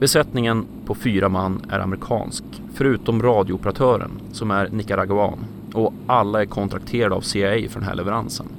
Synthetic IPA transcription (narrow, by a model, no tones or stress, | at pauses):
bɛsɛt̪nɪŋən | pʰɔfyːɾamanːæ̰ɾʔa̰mɾɪkʰɑ̰ːnsk | fœɾʉ̟ːt̪ɔmɾɑːd̪jʊʊpəɾat̪ʰœːɾə̰nsɔmæɾnɪkːaɾaɡʉɑ̰ːn | ɔalːaæɾkʰɔnt̪ʰɾak̚t̪ʰeːɾad̪a̰ːvsejfœɾɖɛnɦæ̰ɭʔɛvɛɾansə̰n